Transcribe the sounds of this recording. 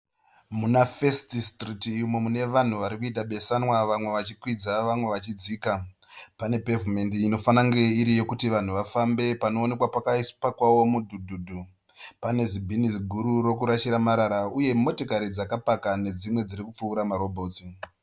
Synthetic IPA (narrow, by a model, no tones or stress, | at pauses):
munafe̞stistritmo̞mune̞ʋan̤uʋaɾikuitaɓe̞sanwaʋamwe̞ʋat͡ʃikwid͡zaʋamwe̞ʋat͡ʃid͡ziːka | pane̞pe̞vume̞ndiːno̞fanaŋɡe̞iɾije̞kutiʋan̤uʋafambe̞pano̞ːne̞kwapakaispakwawo̞mudʱudʱuːdʱu | pane̞zibʱinisɡʱuɾuɾo̞kuɾaʃiɾamaɾaɾauje̞mo̞tokaɾid͡zakapakane̞d͡zimwe̞d͡ziɾikup͡fuːɾamaɾo̞bʱo̞ːti